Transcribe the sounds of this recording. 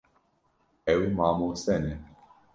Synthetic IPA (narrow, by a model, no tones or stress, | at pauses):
ɛwmaːmusɛnɛ